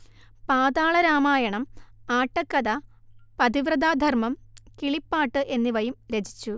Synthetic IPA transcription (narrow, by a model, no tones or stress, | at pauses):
paːd̪aːɭɐɾaːmaːjɐɳɐmaːʈːɐkːɐd̪ɐ | pɐd̪iʋrɐd̪aːd̪ʱɐrmɐmkiɭipːaːʈːɨʔe̞nːiʋɐjumɾed͡ʑʰʱi̥t͡ɕːu